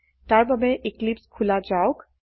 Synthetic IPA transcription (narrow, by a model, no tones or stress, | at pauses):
taɹbəbɛʔiklipskʰulad͡ʒaok